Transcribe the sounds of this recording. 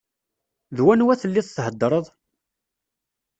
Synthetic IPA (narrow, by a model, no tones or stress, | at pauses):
ðwænwæθəlːiðˤθɦəd̪ːɾˤəðˤ